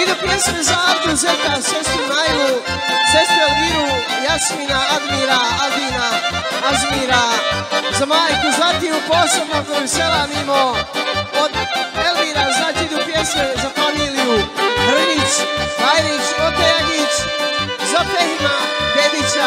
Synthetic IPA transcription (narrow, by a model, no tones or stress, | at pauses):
id̪upjesmezaaɾd̪uzet̪aʃest̪umajɡu | sest̪uelʋiɾu | jasmiːnaad̪miːɾaad̪iːna | azmiːɾa | zamaːjkuzʋat̪iupoːsebnokouselanimo | od̪elviːɾaznaːt͡ʃiid̪upjesmezafamiːlijubr̩ʋit͡ʃajɾit͡ʃot̪eɡit͡ʃ | zapehima | ped̪it͡ʃa